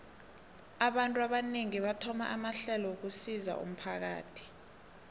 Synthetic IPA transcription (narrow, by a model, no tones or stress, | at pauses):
aɓantʼuaɓaneŋiɓatʰɔma̰ʔamaɬɛlɔuk̬usiza̰ʔṵm̩pʰak̬a̰ːtʰi̥